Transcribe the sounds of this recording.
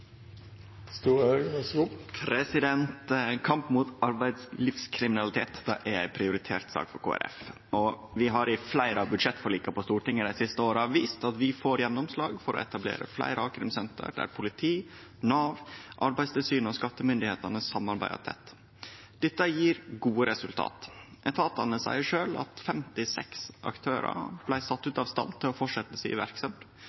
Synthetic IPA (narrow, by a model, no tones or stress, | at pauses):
st̪uːɾəøɡʋæsɡuːpʰɾɛsɪd̪ɛnt̪kʰɑmpmut̪ɑɾbæɪd̪slɪfskʰɾɪmɪnɑlɪt̪ʰeːt̪d̪̥æʔæɾæɪpʰɾɪʊɾɪt̪ʰḛːɾt̪sɑ̰ːkfɔɾkʰo̰ːæ̰ɾʔɛ̰f | ɔ | ʋɪɦɑɾɪflæɪɾəɑʋbʉd̪ʂɛt̪ːfɔɾliːkɑpɔst̪uːʈɪŋːəd̪æɪsɪst̪əoːɾɑʋiːst̪ɑt̪ʋɪfoːɾjɛnːɔmslɑːɡfɔɾɔ̰ɛ̰t̪ɑblḛːɾə̰flæ̰ɪɾɑkʰɾɪmsɛnt̪ə̰ɾɖ̪æ̰ɾpʰʊlɪt̪ʰiːnɑːʋʔɑɾbæɪst̪ɪlsyːnɔskɑt̪ːəmʏnd̪ɪheːt̪ɑnəssɑmɑɾbæɪd̪ɑ̰t̪ʰɛ̰t̪ː | d̪̥ɛt̪ːəjiːɾɡuːəɾɛsʉlt̪ʰɑ̰ːt̪ʔɛt̪ʰɑːt̪ɑnəsæ̰ɪəʂøːlɑ̰t̪fɛmt̪ɪsɛksʔɑ̰kt̪ʰøːɾə̰blæɪsɑt̪ːʉːt̪ɑʋst̪ɑ̰nt̪ʰːɪɔfɔʂɛt̪ːəsɪ̰ːʋæ̰ɾksɑm